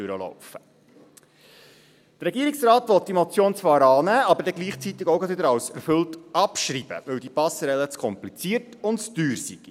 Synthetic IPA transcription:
øɾəlɔ̰ʊfə | d̥əɾɛɡiːəɾiksrɑːtʋɔt̪̚d̥imɔt͡sjoːnt͡sʋɑːɾɑːnæːɑbəɾdɛɡliːχt͡sit̪ːɪɡoʊɡɑtʋɪdəɾɑwsɛɾfɵltɑpʃɾiːb̥ə̰ʋɵwdipɑsɾɛlət͡skʰɔmplit͡siəɾtʊntt͡sd̥yːɾsiɡ̥i

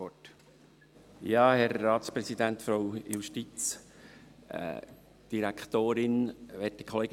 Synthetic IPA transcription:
ɔt | jɑːhɛɾːɑːt̪spɾɛsid̪ænt̪fɾoʊjuʃtit͡s | d̥iɾækt̪oːɾɪnʋɛtdəkʰɔleːɡ

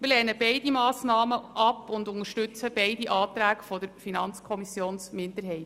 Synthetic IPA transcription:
mɪlɛɾnəbɛɪdimɑːsnɑːməʔɑpʊndʊnəɾʃtʉt͡səb̥ɛɪdiʔɑːtɾæːkfɔdəɾfinɑnt͡skʰɔmisjoːnsmɪndəɾɦɛɪt

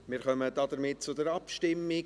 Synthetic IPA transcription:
mɪːɾχœmədɑd̥əɾmɪt̚t͡sʊdəɾɑpʃtɪmːɪ

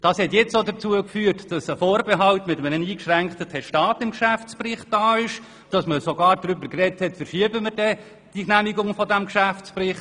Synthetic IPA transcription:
d̥ɑːshɛtjɛt͡sodət͡suəkfyːtd̥ɑsəfɔːɾbeɦɑltmɪtəmənəniːkʃræŋktətʰɛʃtɑːtɪmkʃæft͡sprɪχt̚d̥ɑːɪʃ | d̥ɑsməsoɡɑːɾdɾʏbəkrɛthɛtfərʃiəbəmərdɛ | d̥iknæmiɡʊŋfɔdæmkʃæft͡sprɪχt

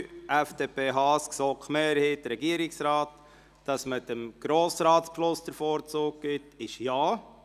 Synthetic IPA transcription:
ʔɛfd̥eːpʰeːɦɑːsksɔːkχmeːɾheːt̚dəɾɛɡiəɾɪksɾɑːt | d̥ɑsmətəmɡ̥ɾoːsɾɑːtspʃlʊsd̥əɾfɔːɾt͡suːk̚ɡ̥ɪtɪʃjaː

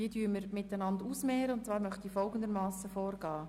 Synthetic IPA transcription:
iədyːəməɾmɪtænɑnd̪usmɛːɾəʊntt͡svɑːɾmœχt̪iːfɔlɡən̩d̪əɾmɑːsəfɔːɾɡ̥ɑː

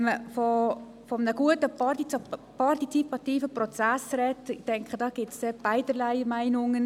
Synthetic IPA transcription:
məfɔ | fɔmənəɡ̥uətəpɑipʰɑrtit͡sipɑtiːfəprɔt͡sasrɛtɪχtɛŋkχədɑːɡ̥ɪtsdeb̥aɪdəlaɪmaɪnʊŋən

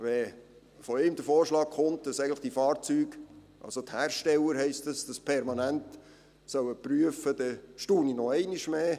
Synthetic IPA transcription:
ʋɛ | fɔɪːmd̪əfoːɾʃlɑːkχʊmt̚d̥ɑsɛɪɡŋ̩nləχd̥ifɑːɾt͡syːɡ̥ʔɑ̰lsot̪hæːrʃtɛlːəɾɦɛɪstəsd̥ɑspʰɛɾmɑnænt | sœwəpryəfəd̪ɛʃtuːninɔɛɪniʃmeː

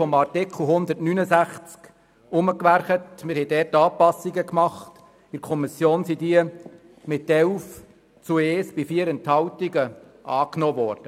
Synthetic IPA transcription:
ɔmɑrtɪkʰl̩ˠɦʊnd̪ətnynəsæχt͡sk | ʊməkʋæɾχətmɪɾhɛdɛːtːɑːpɑsːiɡəkmɑχt | ɪɾkʰɔmisjoːnsid̥iə | mɪtːɛwf | t͡sueːsb̥ifiəɾɛnthɑwtiɡəʔɑːknɔːʋɔːɾd̥ə

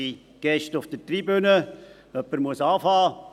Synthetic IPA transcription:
i | ɡ̥ɛʃtʊfd̥ətriːbønə | œpːəɾmuəsɑːfɑː

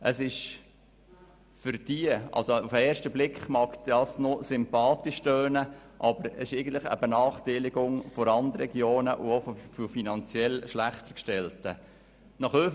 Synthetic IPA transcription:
ʔəsɪʃ | fʏɾd̥iəʔɑ̰lsoufəɛːɾʃtəblɪkχmɑkd̥ɑsnosʏmpɑːt̪iʃtøːnəʔɑb̥əɾɛsɪʃɛɪɡən̩t̪ləχə̰bənɑːχtɛɪlɪɡʊŋfɔɾɑnd̪rɛɡjoːnəʔʊofɔfofinɑnt͡sjɛlʃlæχt̪əɾkʃtɛltə | nɑχø

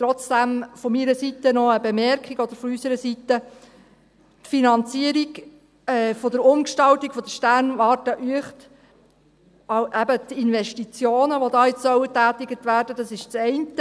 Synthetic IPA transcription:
t̪ɾɔt͡sd̥æmfɔmiɾəsit̪ənɔəbemɛɾkχiɡɔd̥̪əɾfɔysəɾəsit̪ə | tfinɑnt͡siəɾiɡ | ɛːfɔd̪əɾʊmkʃtɑltiɡ̥fɔd̥̪əʃtærnʋɑːtəʔyəχt | ɑʔæbət̪inʋɛʃtit͡sjoːnəʋod̪ɑːjɛt͡ssœwətæːtɪɡət̪ʋæːɾdəd̥̪ɑsɪʃt͡sɛɪntə

